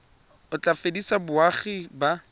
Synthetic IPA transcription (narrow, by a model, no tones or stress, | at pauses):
ʊt͡ɬʼafedisabʊaχiba